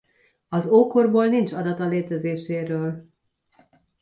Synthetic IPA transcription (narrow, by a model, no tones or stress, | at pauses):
ɒzoːkorboːlnint͡ʃɒd̪ɒt̪ɒleːt̪ɛzeːʃeːɾøːl